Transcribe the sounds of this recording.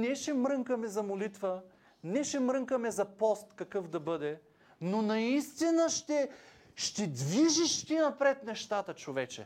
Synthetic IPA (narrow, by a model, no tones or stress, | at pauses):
nɛʃɛmɾɤŋkəmɛzɐmolit̪və | nɛʃɛmɾɤŋkəmɛzɐpɔst̪kɐkɤfd̪ɐbɤd̪ɛ | nonɐist̪inəʃt̪ɛ | ʃt̪ɛd̪viʒiʃt̪ʲinɐpɾɛt̪nɛʃt̪at̪ət͡ʃovɛt͡ʃɛ̰